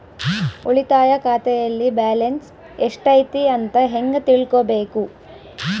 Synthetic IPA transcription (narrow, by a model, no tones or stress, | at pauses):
oɭit̪aːjɐkʰaːt̪ɛjɐlːibaːlens | eʂʈɐjt̪iɐnt̪ɐɦeŋɡɐt̪iɭkobeːku